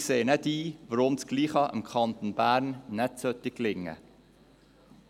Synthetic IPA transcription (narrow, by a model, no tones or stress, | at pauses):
kseːnɛdiːvəɾʊmsɡ̥liːχɑʔə̰mkʰɑnt̪onb̥æːɾnːɛtsœt̪ːɪkːlɪŋːə̰